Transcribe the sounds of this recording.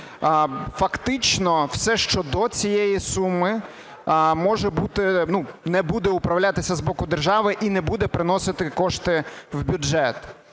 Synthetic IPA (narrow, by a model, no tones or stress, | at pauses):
fɐkt̪ɪt͡ʃnɔw̥sɛʃt͡ʃɔd̪ɔt͡sʲijɛjisumɪ | mɔʒɛbut̪ɪnunɛbud̪ɛʊpɾɐwlʲat̪ɪsʲɐzbɔkʊd̪erʒɑʋɪʔinɛbud̪ɛpɾɪnɔsɪt̪ɪkɔʃt̪ɪwbʲud͡ʒɛt̪